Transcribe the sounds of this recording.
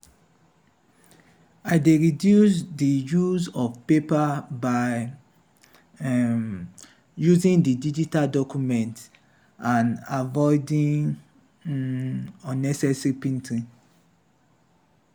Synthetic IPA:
aɪdeɹidjus̬dijuzɔvpepabaɪ | juzĩŋdidid͡ʒitaldɔkjumɛ̃nt | ãnavɔɪdĩŋ | ɔ̃nɛsɛsɹipĩntʰĩ

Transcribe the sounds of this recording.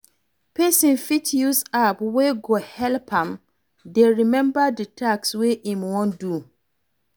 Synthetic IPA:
pʰɛsĩnfitjusapweɡohɛlpʰãm | deɹimɛ̃mbadɛtʰaksweʔĩmwɔ̃ndu

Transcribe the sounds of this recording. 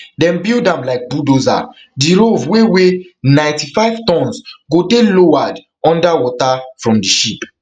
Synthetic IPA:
dɛ̃nbildãmlaɪk̚budoza̰ | diɾovwewenãɪ̃ntifaɪv̥tɔ̃nsɡodelowad | ɔ̃ndawɔtafɹɔ̃mdiʃip

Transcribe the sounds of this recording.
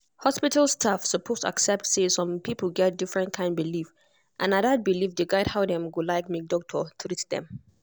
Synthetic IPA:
hɔspitəlstʰafsəpʰostʰa̰ksɛp̚tsesɔ̃mpʰipəlɡɛt̚difɹɛ̃nkʰãɪ̃nbilif | ʔãnadat̚bilifdeɡaɪdhaʊdɛ̃mɡulaɪk̚mik̚dɔk̚tʰətʰɹitdɛ̰̃m

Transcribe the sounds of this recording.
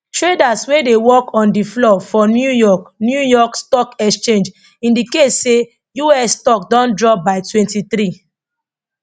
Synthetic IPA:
tɾedaswedewɔkʰɔ̃ndiflɔfɔnjujɔknjujɔkstɔkɛkst͡ʃẽnd͡ʒ | ĩndiketse | juɛsstɔk̚dɔ̃ndɹɔp̚baɪtwɛ̃ntitɾi

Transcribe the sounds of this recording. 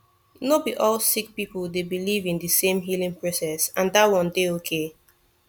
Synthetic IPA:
nobiʔɔlsik̚pipəlˠdebilivĩndɨsẽmɦilĩŋpʰɹɔsɛsãndatwɔ̃ndeokʰe

